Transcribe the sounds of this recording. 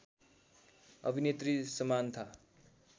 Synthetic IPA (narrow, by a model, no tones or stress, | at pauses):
ʌ̰bʱinet̪risʌmant̪ʰa